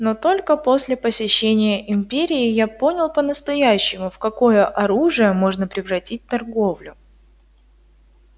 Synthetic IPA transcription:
no̞t̪o̞lʲkəpo̞sʲlʲɪpəsʲɪɕːenʲɪjəʔɪmʲpʲeɾʲɪːjapo̞nʲɪlˠpənəst̪ɐjæɕːɪmʊfkɐko̞jəʔɐɾuʐɨjəmo̞ʐnəpɾʲɪvɾɐtʲit̚ʲt̪ɐrɡo̞vlʲʊ

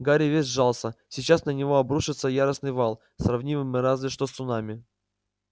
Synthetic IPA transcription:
ɡaɾʲɪvʲesʲʐalˠsəsʲɪt͡ɕasnənʲɪvo̞ɐbɾuʂɨt̪səjaɾəsnɨjvalˠ | sɾɐvnʲivɨmʲɨɾazvʲɪʂt̪osʊnamʲɪ

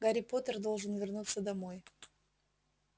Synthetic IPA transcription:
ɡɐɾʲɪpo̞t̪ərd̪o̞lˠʐɨnvʲɪrnut̪səd̪ɐmo̞j

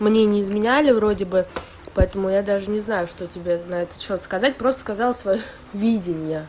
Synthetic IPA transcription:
mnʲenʲɪːzmʲɪnʲælʲɪvɾo̞dʲɪbɨ | pɐɛt̪əmʊjad̪aʐɨnʲɪznajʊʂt̪o̞tʲɪbʲenɐɛt̪ə̥t͡ɕot̪skɐzatʲpɾost̪ə̥skɐzɑlˠsvɐjo | vʲidʲɪnʲɪjə

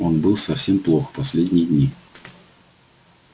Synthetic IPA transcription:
o̞nbɨlˠsɐfsʲe̞mplˠo̞xpɐsʲlʲedʲnʲɪjəd̪ʲnʲi

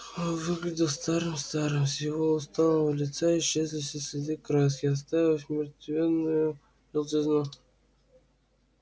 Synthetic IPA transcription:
vɨɡlʲɪdʲɪlˠst̪aɾɨmst̪aɾɨmsjɪvoʊst̪anəvəlʲɪt̪saɪɕːezlʲɪsʲəsʲɪd̪ʲɨkɾas̬kʲɪas̬t̪avʲɪfʲmʲɪɾt̪vʲenːʊjʊ | jɪlˠt̪ʲɪznu

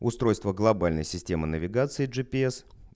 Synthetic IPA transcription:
ʊst̪ɾo̞jst̪vəɡlˠɐbalʲnə̰jsʲɪsʲtʲe̞mɨnəvʲɪɡat̪sɨɪʐɨpʲɪɛs

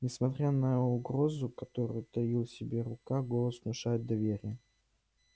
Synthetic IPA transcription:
nʲɪsmɐt̪ɾʲanəʊɡɾo̞zʊkɐt̪oɾʊ̰jʊt̪ɐjilˠsʲɪbʲeɾʊkaɡolˠəsnʊʂajɪt̪̚d̪ɐvʲeɾʲɪjə

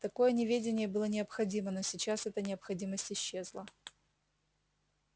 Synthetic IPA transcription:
t̪ɐko̞jənʲɪvʲedʲɪnʲɪjəbɨlˠənʲɪəpxɐdʲiməno̞sʲɪt͡ɕasɛt̪ənʲɪəpxɐdʲiməsʲtʲɪɕːezlˠə

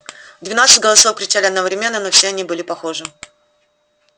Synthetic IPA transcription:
vd̪vʲɪnat̪sɨtʲɡəlˠɐso̞fkɾʲɪt͡ɕalʲɪɐd̪nəvɾʲɪmʲe̞nːəno̞fsʲeɐnʲibɨlʲɪpɐxo̞ʐɨ

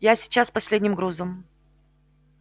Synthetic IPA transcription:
jasʲɪ̥t͡ɕːaspɐsʲlʲedʲnʲɪmɡɾuzəm

